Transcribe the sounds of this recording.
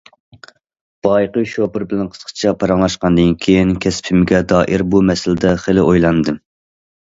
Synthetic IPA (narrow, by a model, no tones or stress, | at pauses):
b̥ɑjqəwʃopɪɾbɪlɛnqʰə̥zqʰt͡ʃʰɑpʰɑɾɑŋlˠɑʃqɑnd̪ɨnkʲʰejinkʲʰɛspʰɪmɪɡʲɛd̪ɑːʔiɾbumɛsɪlɪd̪ɛχelɪʔojlˠɑnɨd̪ɨm